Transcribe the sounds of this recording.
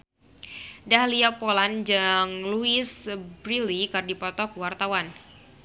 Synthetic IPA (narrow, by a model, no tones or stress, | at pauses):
dahliapoland͡ʒaŋluɪsbɾilikardipɔt̪ɔkəwart̪awan